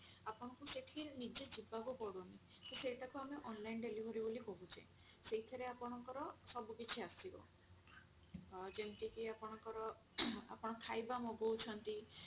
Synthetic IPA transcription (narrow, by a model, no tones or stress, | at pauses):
apɔɽ̃ɔkuseʈʰinid͡ʒed͡ʒibakupɔɽoni | seseʈakuameʔɔnlajnɖelibʱɔɾibolikɔɦut͡ʃʰḛ | seɦit̪ʰɔɾeapɔɽ̃ɔŋkɔɾɔsɔbukit͡ʃʰiasibɔ̰ | d͡ʒent̪ikiapɔɽ̃ɔkɔɾɔ | a̰pɔɽ̃ɔkʰajbamoɡowt͡ʃʰɔnt̪i